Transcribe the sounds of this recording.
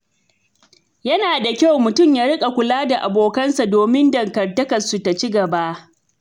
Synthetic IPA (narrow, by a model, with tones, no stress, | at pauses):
jɐ˦naː˨da˨kʲa˦wmʊ˨tʊ˦˨mjaː˦ɾɪ˦kʼa˨kʷʊ˨laː˦da˨ʔa˨boː˨kɐ˦nsa˨doː˨mɪ˦ndɐ˨ŋkɐ˨rtɐ˦kɐ˨nsu˨ta˨t͡ʃi˦ɡɐ˨ba˦ʔ